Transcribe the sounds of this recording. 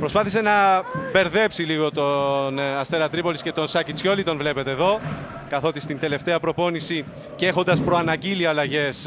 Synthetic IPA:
pɾo̞spɐθise̞nɐbe̞ɾðe̞psiliɣo̞t̪o̞nɐst̪eɾɐt̪ɾipo̞lisce̞t̪o̞nsɐcit͡sço̞lit̪o̞nvle̞pe̞t̪e̞ːðo̞kɐθo̞t̪ist̪ind̪e̞le̞ft̪e̞ɐpɾo̞po̞nisi | cexo̞nd̪ɐspɾo̞ɐnɐɟiliɐlɐʝe̞s

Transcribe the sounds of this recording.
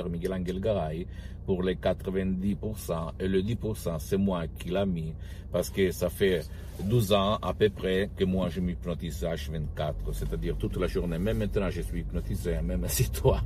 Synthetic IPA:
ɛʁmiɡɛlãŋɡɛlɡaʁaj | puʁlekat̪ʁəvɛ̃nd̪ipuʁsɑ̃eləd̪ipuʁsɑ̃sɛmwakʰilami | paʁsə̥kəsafɛ | d̪uzɑ̃a̰pøpʁɛkəmwaʒəmipnot̪isaʃvɛ̃nt̪̚kat̪ʁəsɛt̪ad̪iʁt̪ut̪laʒuʁnemɛmːɛ̃nt̪ənɑ̃ʒəsɥipnot̪isemɛmsit̪wa

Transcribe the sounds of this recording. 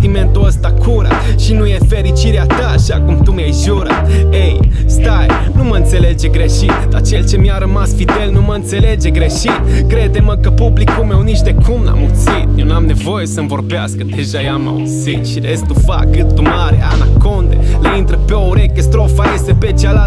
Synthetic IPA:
t̪iment̪uəst̪akʰuɾa̰ | ʃinujefeɾit͡ʃiɾeat̪əːʃakumt̪umiajʒuɾat̪ejst̪aj | numəɨnt̪se̞le̞d͡ʒe̞ɡɾeʃit̪ː | at͡ʃe̞lt͡ʃe̞miaɾəmasfid̪elnuməɨnt̪se̞led͡ʒe̞ɡɾe̞ʃit̪kɾed̪eməkəpublikːumewniʃt̪ekʰumla̰mut̪sit̪jewnamne̞vo̞jesəmvo̞rbeaskəd̪e̞ʒajama̰ṵzit̪ʃiɾesk̚t̪ufa̰kːɨt̪t̪umaɾeʔanakond̪ḛleint̪ɾəpeouɾekʲest̪ɾofajesepet͡ʃeala

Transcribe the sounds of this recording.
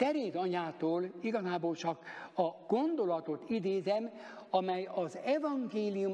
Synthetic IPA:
t̪ɛɾeːd̪ɒɲaːt̪oːliɡɒzaːboːlt͡ʃɒkɒɡ̥o̞nd̪o̞lɒt̪o̞t̪id̪eːzɛmɒmɛjɒzɛvɒŋɡeːlijum

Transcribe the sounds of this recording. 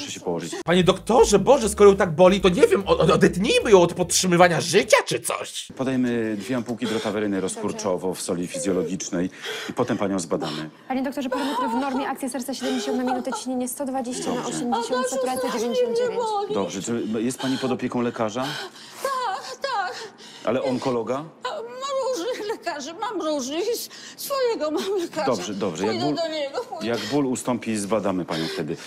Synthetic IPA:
ʂɛɕɛpɔwɔʐɨt͡ɕpaɲɛd̪ɔkt̪ɔʐɛbɔʐɛskɔɾɔjɛ̃t̪aɡ̚bɔlʲit̪ɔɲɛvʲjɛmɔɔd̪ɛt̪ɲejmɘjɔ̃w̃ɔt̪pɔt̪tʂɘmɘvaɲaʐɘt͡ɕat͡ʂɘt̪sɔ̰ɕpɔd̪ajɛmɘd̪vʲjɛampuwkʲid̪ɾɔt̪avɛɾɘnɘɾɔskuɾt͡ʂɔvɔfsɔlʲifʲizʲjɔlɔɡʲit͡ʂnɛjipɔt̪ɛmpaɲɔ̃w̃zbad̪a̰mɘpaɲed̪ɔk̚t̪ɔʐɛpɔd̪ɔmɛt̪ɾɔvnɔɾmʲjɛʔakt̪sʲjɛsɛɾt̪saɕɛd̪ɛmɲd͡ʑeɕɔ̃nt̪namʲinut̪ɛt͡ɕi̥ɲeɲɛst̪ɔd̪vad͡ʑeɕt͡ɕaɔɛmd͡ʑeɕɔ̃nt̪sɛt̪uɾɛt̪ɛd͡ʑevʲjeɲd͡ʑeɕɔ̃nd̪d͡ʑevjeɲt͡ɕd̪ɔbʐɛt͡ʂɨjɛst̪̚paɲipɔd̪ɔpʲjɛkɔ̃w̃lɛkaʐa | t̪akt̪ak | ʔa̰lɛʔɔŋkɔlɔɡamamɾuʐnɘxlɛkaʐɛmamɾuʐnɘx | sfɔjɛɡɔmamlɛkad̪ɔbʐɛd̪ɔbʐɛjaɡbuld̪ɛɡɔjaɡbulust̪ɔmpʲizbad̪amɘpaɲɔ̃w̃ft̪ɛd̪ɘ

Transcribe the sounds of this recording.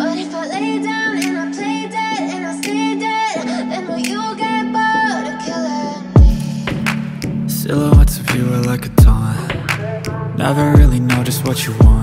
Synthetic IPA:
ənɪfaleɪdãʊ̃nɨ̃napʰl̥eɪdɛtɨ̃nasedɪtðɨ̃nwjəlɡɛbakʰ | sɪ̰lˠoʊʌ̃ntsʌvjʉə˞laɪkɨtʰãɪ̃ | nɛ̰və˞ɹɪlˠinoʊɾɨst̚wʌt͡ʃəwɑ̃nt

